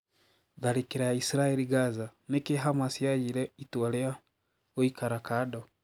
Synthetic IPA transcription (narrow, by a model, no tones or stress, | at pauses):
ðaɾikiɾajaisiɾaeliɡazanekeɦamasiajiɾɛitwalea | oikaɾakado